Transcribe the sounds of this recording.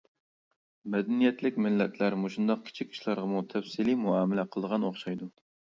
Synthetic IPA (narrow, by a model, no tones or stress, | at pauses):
mɛd̪ɛnijɛt̪lɪkʲmɪlːɛt̪ʰlæɾmoʃund̪ɑq̚kʲʰɪ̥t͡ʃʰikʲi̥ʃlˠɑɾʁɑmut̪ʰɛfsilimuɑːmɪlɛqʰəlˠd̪əʁɑnoχʃɑjd̪u